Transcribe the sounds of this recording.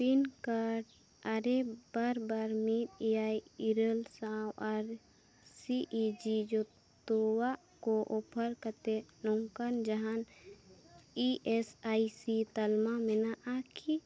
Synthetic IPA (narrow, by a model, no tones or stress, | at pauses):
pinkaɾ | aɾebaɾbaɾmit̪iaiiɾəlsãːwaɾ | siʔid͡ʒid͡ʒo | t̪owa | koʔopʰəɾkət̪enoŋkand͡ʒəɦan | iesaisit̪əlmamenaʔakʰi